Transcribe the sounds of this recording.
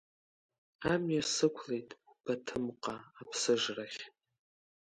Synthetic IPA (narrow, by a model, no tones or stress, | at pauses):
amjasɨkʷʰle̞jtʼb̥atʰɨmqʼaːpʰsɨʐraχʲ